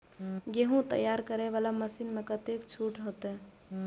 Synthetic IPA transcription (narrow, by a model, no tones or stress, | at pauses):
ɡeɦũt̪ə̰jaːɾkəɾeʋaːlaməsiːnmẽkət̪eːkt͡ʃʰuːʈɾəɦot̪ɦɛ̃ː